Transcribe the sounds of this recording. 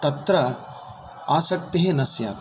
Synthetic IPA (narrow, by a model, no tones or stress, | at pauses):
t̪ɐt̪ɾɐ | aːsɐk̚t̪eɦenɐsja̰ːt̪